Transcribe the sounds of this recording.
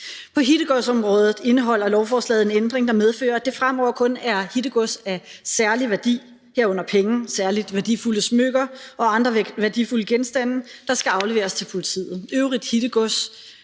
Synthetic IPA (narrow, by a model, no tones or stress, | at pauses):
pʰɒ̽ɦid̥əɡ̥ɔsɒ̽mʁɔ̽ːðˠð̩ˠe̝nəɦɒ̽l̰ɐlɒʊfɒːslɛ̰ːð̞̩ˠe̝nend̥ʁeŋd̥ɑ̈með̞ˠfø̰ːɐd̥e̝fʁamɒʊ̰ɐkʰɔ̽næɐhid̥əɡ̥ɔsæsæɐliʋæɐd̥ḭː | hæɐ̰ɔ̽n̰ɐpʰeŋ̩sæɐlid̥ʋæɐd̥ifuləsmøɡ̥ɐʔɒ̽ɑ̈nd̥ʁɐʋæɐd̥ifuləɡ̥ensd̥æn̰d̥ɑ̈sɡ̥æɑ̈ʊle̝ʋḛːɐst͡sʰe̝lpʰo̝lit͡sʰḭːð̩ˠøʊʁid̥hid̥əɡ̥ɔs